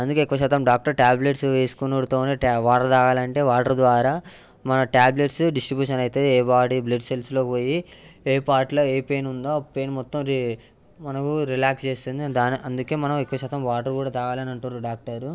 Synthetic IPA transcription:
ɐnd̪ukeːikːɐʋɐʃ̬ɛːt̪ɐmɖaːk̚ʈɐɾʈaːbleʈsʋeːsu̥kunoːɽut̪oːneːʋaːʈɐɾt̪aːkaːlɐɳʈe̞ːʋaːʈɐɾd̪ʋaːɾaː | mɐnɐʈaːble̞ʈsɖisʈɾibjuːʂɐnɐjt̪e̞ːeːbaːɽibleɖse̞lslo̞ːkiʋoːjieːpaːɾʈloːeːpeːnund̪oːpeːnmɔt̪ːɐmɾi | mɐnɐkuɾilaːkst͡ʃe̞ːst̪und̪id̪aːniʔɐnd̪uke̞ːmɐnɐmikːɐʋɐʃɛːt̪ɐmʋaːʈɐɾkuːɽaːt̪aːɡaːlɐnɐɳʈunɾuɖaːk̚ʈɐɾu

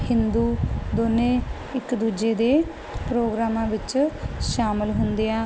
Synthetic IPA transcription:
hɪ̃nd̪uːd̪oːnẽː | ɪkd̪uːd͡ʒeːd̪eː | pɾoːɡɾaːmãːʋɪt͡ʃʃaːmɪlɦʊnd̪eːaː

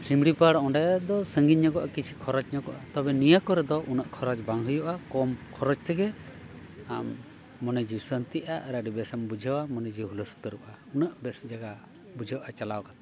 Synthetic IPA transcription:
simɽipaɽɔ̃ɳɖɛd̪ɔsəŋɡiɲɲakɔʔa̰kit͡ʃʰi̥kʰɔɾɔt͡ʃɲɔkɔ̰ʔat̪ɔbɛnijəkɔɾɛd̪ɔʔunəʔkʰɔɾɔt͡ʃbaŋɦəjɔʔakɔmkʰɔɾɔt͡ʃt̪ɛɡɛ | amː | ɔnəd͡ʒisənt̪iʔaɾaɖibɛsambud͡ʒʱawamɔnəd͡ʒiɦuləst̪əɾuʔa | unəʔbɛsd͡ʒaɡa | bud͡ʒʱəwʔat͡ʃalawkat̪

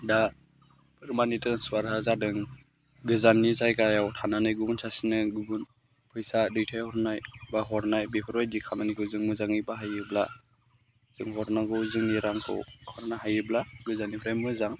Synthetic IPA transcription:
da | pʰɯɾmanitɯnswaɾɦazadɯŋ | ɡɯzanizajkajawtʰananɯjɡubunsasinɯɡubun | pʰɯjsadɯjtʰajhɔɾnajbaɦɔɾnajbepʰɔɾɔjdikʰamanikʰɯwzɯŋmɯzaŋɯjbaɦajɯbla̰ | z̥ɯŋɦɔɾnaɡɯzɯŋniɾaŋkʰɯ̰wkʰɔɾnaɦajɯblaɡɯzanipɔɾajmɯzaŋ

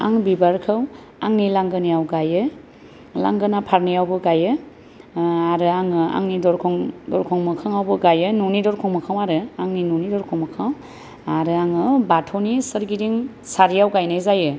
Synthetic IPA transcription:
a̰ŋbibaɾkʰɯw | aŋnilaŋɡɯnijawɡajɯ | la̰ŋɡɯnapʰaɾnijawbɯɡajɯ | aɾɯaŋɯa̰ŋnidɔɾkʰɔŋdɔɾkʰɔŋmɯkʰaŋawbɯɡajɯnunidɔɾkʰɔŋmɯkʰawaɾɯaŋninunidɔɾkʰɔŋmɯkʰaw | aɾɯaŋɯbatʰɔnisɯɾɡiɾiŋ | saɾijawɡajnajzajɯ

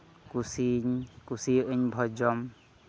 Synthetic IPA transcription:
kusiɲkusiɯɲbʱɔd͡ʒɔm

